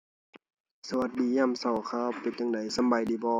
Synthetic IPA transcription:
sa˧˨a˧˦t̪̚diː˨˦ɲaː˧˨msa˨˧˩wkʰaː˧˥˨wpe˨˦n̚t͡ɕa˧˨ŋda˨˦jsa˧˦mba˨˩jdiː˨˦bɔː˧

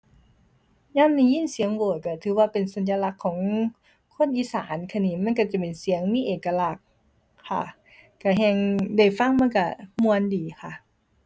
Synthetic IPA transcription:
ɲaː˧˥˨mni˧˩jiː˧˥˨nsi˨˦əŋboː˨˩ka˧˩t̪ʰɯː˨˦waː˧˩pe˨nsa˨˦njaː˧la˧˥kʰːɔː˨˩˦ŋ | kʰo˧˥˨nʔiː˧˦saː˨˦nkʰa˧˨niː˧˩˨ma˧˥˨nka˧˩t͡ɕa˨˩pe˨˩nsi˨˩˦əŋmiː˧˥˨ʔeː˨˩ka˧la˧˩k̚ʰː | a̰˧˩ | ka˧˩ɦɛ˧˩ŋda˧˩jfa˧˩˨ŋma˧˥˨ka˧˩mu˧ə˨ndiː˨˦xʰa˧˩

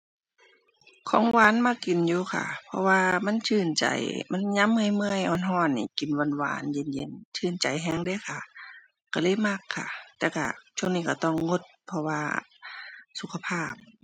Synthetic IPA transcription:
kʰɔː˧˦ŋwaː˧˥˨nma˧˩kːi˨njuː˧˦kʰa̰˧˩pʰɔ˧waː˧ma˧˥˨nt͡ɕʰɯː˧˩nt͡ɕa̰˨˦jma˧˥˨nɲa˧˥˨mːɯ˧ə˨jmɯ˧ə˨jʔɔː˧˩˨nɦɔː˧˩˨nːḭː˧˩ki˨˩nwa˧˥˨nwa̰ː˧˦nje˧˨njḛ˧˨nt͡ɕʰɯː˧˩˨nt͡ɕa˨jɦɛː˧˨ŋda˧˨jkʰa˧˩ | ka˧˩lɤː˧˥˨jma˧˩kʰːa̰˧˩t̪ɛː˧˩wka̰˧˩t͡ɕʰu˧˨ŋniː˧˩ka˧˩t̪ɔ˧˩˨ŋːo˧˦t̪̚pʰɔ˧waː˧ | su˧kʰa˧pʰaː˧˩p̚

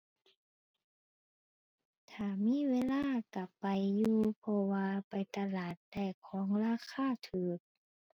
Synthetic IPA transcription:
t̪ʰaː˧˩miː˧˥˨weː˧˥˨laː˧˥˨ka˧˩ppːa˨jːuː˧pʰɔ˧waː˧pa˨jt̪a˧laː˨˩t̪̚da˧˩jkʰɔː˨˦ŋlaː˧˥˨kʰaː˧˥˨t̪ʰɯː˨˩˦k̚

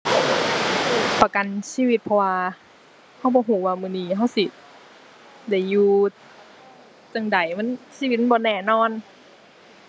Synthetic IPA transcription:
pa˧ka˨nsiː˧˨wi˧t̪̚pʰɔ˧waː˧ | ha˧˥˩wbɔː˧˦ɦuː˧˩˦waː˧mɯː˧˨niː˧ɦa˧˥˩wsi˧˩ | da˧˩jːuː˧ | t͡ɕa˧ŋda˨˩jma˧˥˨nsiː˧˨˧i˧t̪̚m˥˨˩bɔː˧˦nɛː˧˩nɔː˧˥˨n

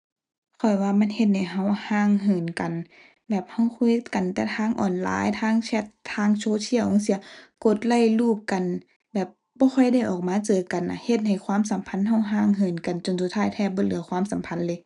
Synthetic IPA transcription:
kʰɔ˨˩jwaː˧ma˧˥˨nhe˧t̪̚na˧˩ɦa˧˩whaː˧˨ŋɦɯː˨˩nka˨n | bɛː˨˩p̚ha˧˩wkʰu˧˥˨jka˨nt̪ɛː˧˩t̪ʰaː˧˥˨ŋʔɔ̰ː˨˩nla̰ː˨˧˥jt̪ʰaː˧˥˨ŋt͡ɕʰɛ˧˥t̪ʰːaː˧˥˨ŋt͡ɕʰoː˧˨t̪ʰi˧˥ɐ˨whɔ˧˥˦si˧˦ɐko˧t̪̚la˧˩˨jluː˧˩p̚ka˨n | bɛː˨˩p̚ | bɔː˧˦xʰɔ˧˩jda˧˥˩jʔɔː˨˩k̚maː˧˥t͡ɕɤː˨ka˨nʔa̰˧˩he˧t̪̚ha˨˩jkʰwaː˧˥˨msa˨˦mpʰa˧˥˨nɦa˧˥˩wɦaː˧˥˩ŋɦɯː˨˩nka˨nt͡ɕo˨nsu˧˩t̪ʰaː˧˥˩jt̪ʰɛː˧bɔː˧˥˨lɯ˨˦ɐ˦kwaː˧˥˨msa˨˦mpʰa˧˥˨nlɤː˧˦

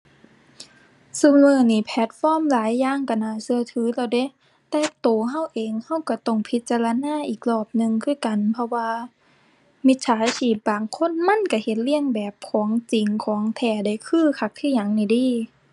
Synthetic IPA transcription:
su˧˨mɯː˧˩niː˧˩pʰɛː˧˩t̪̚fɔː˧˥˨mlaː˨˦jːaː˧˨ŋka˧˩naː˧˩sɯ˧ɐt̪ʰɯː˨˦lɛ˧˩wde˧˥˨ | t̪ɛː˧t̪oː˨˩ɦa˧˥˨wʔeː˨ŋha˧˥˩wka˧˩t̪ɔ˧˩ŋpʰi˧˦t̪̚t͡ɕa˧la˧naː˧˥˨ʔiː˨˩k̚lɔː˧˩p̚nɯ˧ŋkʰɯː˧˥˩ka˨npʰɔ˧waː˧ | mi˧˥t̪̚sʰaː˨˦jsiː˧˩p̚baː˨ŋkʰo˧˥˨nma˧˥˨nka˧˩he˧˦t̪̚li˧˥˨əŋbɛː˨˩p̚kʰɔː˩˦ŋt͡ɕi˨ŋkʰɔː˩˨˦ŋt̪ʰɛː˧˩da˧˩jkʰɯː˧˥˩kʰa˧˩k̚t̪ʰiː˧˥˨ɲa˨˩ŋna˧˩jdiː˧˥˨

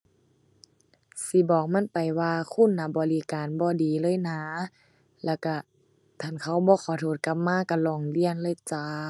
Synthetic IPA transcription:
si˧˦bɔː˨˩k̚ma˧˥˨npa˨˩jwaː˧kʰu˧˥˨nːaː˧˩bɔː˨li˧˦kaː˨nbɔː˧˦diː˨lɤː˧˥˨jnaː˧˦ | lɛː˧˩wka˧˩ | t̪ʰaː˧˨nkʰa˧˩wbɔː˧˦xʰɔː˨˦t̪ʰoː˧˩t̪̚ka˧˦p̚maː˧˥˨ka˧˩lɔː˧˩ŋli˧˥˨ənlɤː˧˨t͡ɕaː˧˦

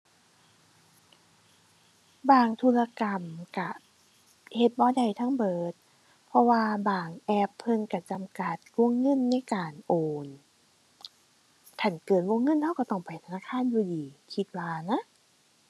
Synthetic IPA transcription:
baː˧˩ŋt̪ʰuː˧la˧ka˨mka˧˩ | he˧t̪̚bɔː˧˩da˨˩jt̪ʰa˧˥˨ŋbɤː˨˩t̪̚ | pʰɔ˧waː˧baː˨˩ŋʔɛ˧pʰːɤ˧˥˨nka˧˩t͡ɕa˨mka˧t̪̚ku˧˥ə˨ŋːɤ˧˥˨nːa˧˥˨jkaː˨˩nʔoː˨˩n | t̪ʰa˧˩nkɤː˨˩n̚wu˧˥˨ŋːɤ˧˥˨nha˧˩wka˧˩t̪ɔ˧˩ŋpa˨jt̪ʰa˧naː˧˥˨kʰaː˧˥˨njuː˧diː˨˩kʰi˧˦t̪̚waː˧na˧˥˨

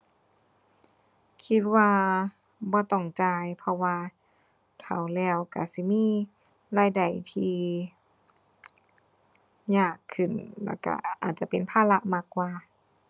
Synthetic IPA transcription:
kʰi˧˥t̪̚waː˧ | bɔː˧˦t̪ɔ˧˩ŋt͡ɕaː˧jpʰɔ˧waː˧ | t̪ʰa˨˩wlɛː˧˩wka̰˧˩si˧˦miː˧˥˨ | laː˧˩jda˨˩jt̪ʰiː˧ | ɲaː˧˩kʰːɯ˨˩nlɛ̰˧˩wka̰˧˩ʔa̰ː˨˩t̪̚t͡ɕa˧˦pe˨npʰaː˧˨la˧ʔmaː˧˩kwaː˧

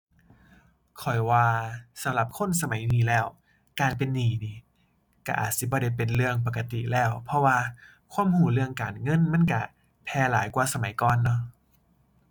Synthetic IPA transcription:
kʰɔ˨˩jwaː˧sa˨˦mla˧˩p̚kʰo˧˥˨ns̬a˧ma˨˦jniː˧˩lɛː˧˩w | kaː˨npe˨nːiː˨˩niː˧˩ | ka˧˩ʔa̰ː˨˩t̪̚si˧˦bɔː˧˦ɾa˧˩jpe˨˩nlɯ˧əŋp̬a˨˧˩ka˧t̪i˨lɛː˧˩˨wpʰɔ˧waː˧ | kʰwaː˧˥˨mhuː˧˩˨lɯ˧əŋkaː˨nŋɤ˧˥˨nma˧˥˨nka˧˩ | pʰɛː˧˩laː˨˦jkwaː˧sa˧ma˨˦jkɔː˧˨nːɔ˧˥˨

